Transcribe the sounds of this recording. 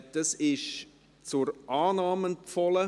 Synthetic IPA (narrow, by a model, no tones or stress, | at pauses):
d̥ɑsɪʃ | t͡sʊɾʔaːnɑːmənfɔlə